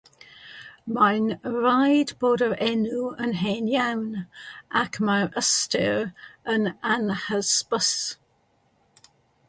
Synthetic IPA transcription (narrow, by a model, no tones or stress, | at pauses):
majnɹaɪdboːdəɹɛnuə̃nɦɛnjawnʔakʰmaɹəstə̰ɹənanhəspəs